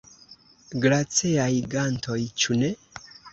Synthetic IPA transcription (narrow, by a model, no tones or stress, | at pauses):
ɡɾat͡siajɡantʰo̞jt͡ʃune